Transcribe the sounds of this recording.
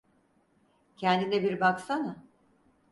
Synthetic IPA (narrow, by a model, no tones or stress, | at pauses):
cʰɛnd̪inɛbiɾbaksana